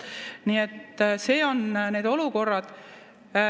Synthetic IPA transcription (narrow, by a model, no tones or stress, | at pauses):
niːet̪ːse̞ːo̞nne̞ːd̪̥o̞luko̞rːɑd̪̥